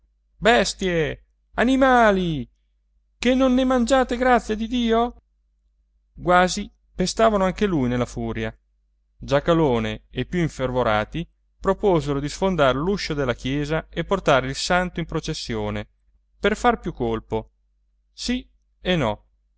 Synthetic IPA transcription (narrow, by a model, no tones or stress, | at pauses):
bɛst̪je | animaːli | kenːonːemand͡ʒaːt̪eɡɾat̪sːjad̪id̪iːo | ɡwaːzi | pest̪aːvanoaŋkelujnelːafuːɾja | d͡ʒakaloːneepːjuiɱfervoɾaːt̪i | pɾopoːzeɾod̪isfond̪aːɾeluʃːod̪elːakjɛːzaepːort̪aːɾeilsant̪oimpɾot͡ʃesːjoːne | perfarpjukːolpo | si | enːɔ